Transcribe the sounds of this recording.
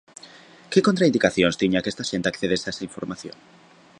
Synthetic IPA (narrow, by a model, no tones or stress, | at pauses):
kekont̪ɾaind̪ikaθjonst̪iɲakest̪aʃent̪akθeðesaesaiɱfoɾmaθjõ̰ŋ